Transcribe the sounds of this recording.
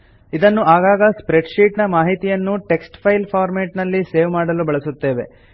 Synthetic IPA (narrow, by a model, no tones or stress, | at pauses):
id̪ɐnːuaːɡaːɡɐspɾeɖʂiːʈnɐmaːɦit̪ijɐnːuʈe̞ksʈpʰɐjlpʰaːɾmeːʈnɐlːiseːʋmaːɽɐlubɐɭɐsut̪ːe̞ːʋe̞